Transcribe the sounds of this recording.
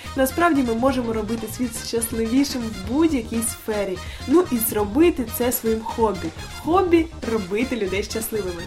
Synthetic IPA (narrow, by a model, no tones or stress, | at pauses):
nɐspɾɑwdʲimɪmɔʒemɔɾɔbɪt̪ɪsʲʋʲit̪ʃt͡ʃɐslˠɪʋʲiʃɪmwbudʲjɐkʲijsfɛɾʲinuʔizrɔbɪt̪ɪt̪sɛsʋɔjimxɔbʲi | xɔbʲirɔbɪt̪ɪlʲʊd̪ɛjʃt͡ʃɐslˠɪʋɪmɪ